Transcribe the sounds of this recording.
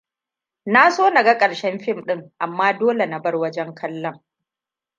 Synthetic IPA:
na˦soː˦nɐ˨ɡa˦kʼɐ˨ɽʃɛ˦mɸɪ˦˨mɗɪ˦ŋʔa˨mːaː˦doː˦le˨na˨bɐ˦rwɐ˦d͡ʒɛ˦ŋkʰɐ˦lːɐ˦ŋ

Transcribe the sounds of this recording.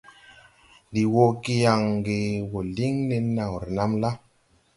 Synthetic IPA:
di˨wo˧ki˧ja˨ŋɡe˧wo˨li˦ŋne˧˦na˨ŋ˨ɾna˦mla˦

